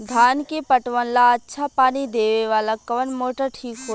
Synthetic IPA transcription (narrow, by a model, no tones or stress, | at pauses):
d̪ʱaːnkepəʈʋənlaətːʃʰapaːnid̪eːʋeʋaːlakɐʋənmoːʈəʈʰiːkɦoː